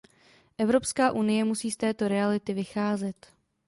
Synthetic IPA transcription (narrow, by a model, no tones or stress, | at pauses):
ʔɛvɾo̞pskaːʔunɪjɛmusiːst̪ɛːt̪o̞ɾɛalɪt̪ɪvɪxaːzɛt̪